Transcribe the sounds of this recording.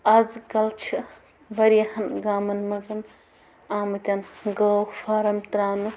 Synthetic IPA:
ɐd͡zkɐlt͡ʃʰi | bɐɾjɐhɐnɡaːmɐnmɐt͡sɐn | aːmɨt̪ʲɐnɡɐwfʰaːɾɐmt̪ɾaːnu

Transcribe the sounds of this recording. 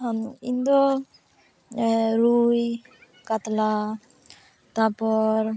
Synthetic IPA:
ɦaind̪ɔ | ɾuj | kat̪la | t̪apɔɾ

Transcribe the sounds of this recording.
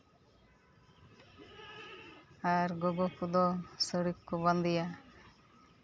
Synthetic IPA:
aɾɡɔɡɔkud̪ɔsəɽikkuband̪ija

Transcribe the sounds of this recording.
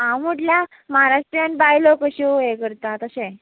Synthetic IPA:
ãwməʈlja | məɦaɾaʂʈɾjanʈbajlokəɕiekəɾt̪at̪əsẽ

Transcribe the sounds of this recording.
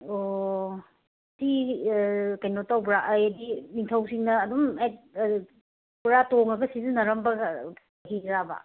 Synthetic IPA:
o | sʰi | kajnotawbɾaʔɐjɐdimiŋtʰɐwsiŋnɐːdumaj | puɾatoŋɐɡɐsizinɐɾɐmbɐ | ɦiɾaba̰

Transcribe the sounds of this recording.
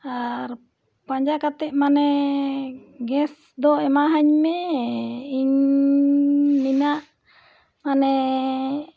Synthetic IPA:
aɾ | paɲd͡ʒakat̪ɛʔmanɛ | ɡɛs | d̪ɔɛmaɦaɲmɛ | iɲ | minaʔ | manɛ

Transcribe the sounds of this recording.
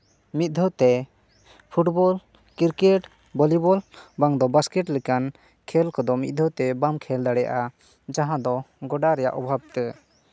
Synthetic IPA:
mit̪̚d̪ʱɔwt̪ɛ | pʰuʈbɔl | kiɾkɛʈ | bɔlibɔlbaŋd̪ɔbaskɛʈlɛkan | kʰɛlkɔd̪ɔmḭt̪̚d̪ʱɔwt̪ɛbamkʰɛld̪aɽɛja̰ʔa | d͡ʒaɦãd̪ɔɡɔɖaɾɛja̰ʔɔbʱab̚t̪ə

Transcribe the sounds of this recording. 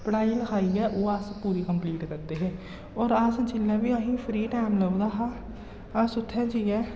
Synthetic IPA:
pəɽaːiːləkʰaːiːɛːʔoːaspuːɾiːkəmpliːʈkəɾd̪eːɦeː | ɔːɾast͡ʃɪlːɛːʋiːəɦĩːpʰɾiːʈaːɪmləd̪aːɦaː | asʊt̪ʰːɛ̃ːt͡ʃiːɛː

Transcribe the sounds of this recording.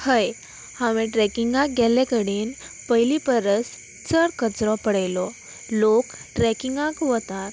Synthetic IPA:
həj | haʋeʈɾɛkiŋɡãk̚ɡʱɛlekəɽiːn | pəjlipəɾəs | t͡səɾkət͡sɾɔpəɽajlɔ | lokʈɾɛkiŋɡãkʋət̪aɾ

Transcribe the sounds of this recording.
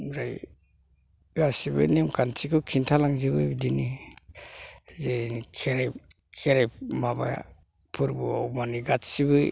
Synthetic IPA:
ɾaj | ɡasibɯ̰nemkantʰikɯkʰintʰalaŋzibɯbdini | zenikʰeɾaj | kʰeɾajmaba̰j | pʰuɾbua̰wmaniɡatsiβɯ

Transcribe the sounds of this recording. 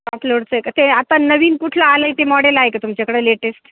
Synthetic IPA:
aploɽt͡səkt̪eat̪anəʋiːnkuʈʰlaːləjt̪emɔɽelajkat̪umt͡ɕakəɽeleʈesʈ

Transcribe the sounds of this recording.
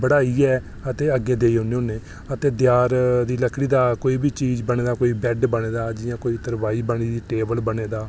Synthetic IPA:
bəɽaːiːɛː | ət̪eːəɡːẽːd̪eːiːɦõːneːʊnẽː | ət̪eːd̪ɪjaːɾd̪iːləkʰɽiːd̪aːkoːiːbiːt͡ʃiːd͡ʒbəɽ̃eːd̪aːkoːiːbɛːɖbəɽ̃eːd̪aːd͡ʒɪjãːkoːiːt̪əɾʋaːiːbəɽ̃iːd̪iːʈeːbəlbəɽ̃eːd̪aː

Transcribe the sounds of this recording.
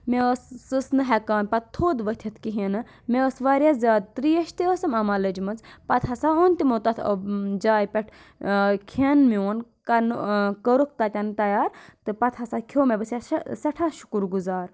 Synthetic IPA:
meəsːɨsnɨɦɛkaːnpɐt̪t̪ʰoːd̪ʋət̪ʲʰɐt̪ʰkiɦinɨ | meəsʋaːɾjazʲaːd̪̚t̪ɾijɐʃt̪iəsɐmɐmɐlɐd͡ʒmɐnzpɐt̪ʰasaont̪imoːt̪ɐt̪ʰd͡ʒaːjpʲeʈʰ | kʰenmioːnkɐnkəɾuk̚t̪at̪ʲɐnt̪ɐjaːɾt̪ɨpɐt̪ʰasakʰoːmebɐsʲjasɐʈʰaʃu̥kuɾɡuzaːɾ

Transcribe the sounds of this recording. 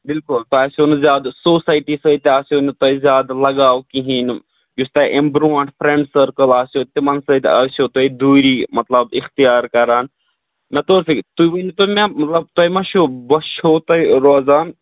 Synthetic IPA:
bɪlkʊlt̪oaːsʲonzjaːd̪soːsaːjʈiːsət̪aːsoːnit̪ɐizʲjaːd̪lɐɡaːwkiɦin | just̪ɐʔembɾuːɐɳʈpʰɾeɳɖsəɾkəlaːsoːt̪imɐnsəːt̪ʲa̰ːsjot̪ɐid̪uːɾiːmɐt̪lɐbixt̪ijaːɾkɐɾaːn | mɐt̪oːɾsikt̪uiʋənit̪omemɐt̪lɐb̚t̪ɐmɐʃobɐʃoːt̪ɐiɾoːzaːn

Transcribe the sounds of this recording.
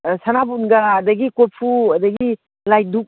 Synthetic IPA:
sanabunɡaːdaɡikopʰuɐdaɡi | laj̚duk̚

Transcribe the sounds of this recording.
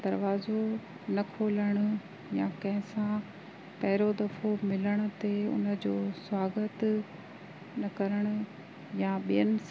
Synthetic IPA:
d̪ɐɾʋaːzo | nɐkʰoːləɽ̃ʊ̆ | jãkɐ̃ɦɪ̃sã | pɐɦɪɾod̪ɐfʰomɪləɽ̃ʊ̆t̪eʊ̰nə̆d͡ʑoːswaːɡət̪ | nɐkɐɾəɽ̃ʊ̆ | jaɓijənɪ̆s

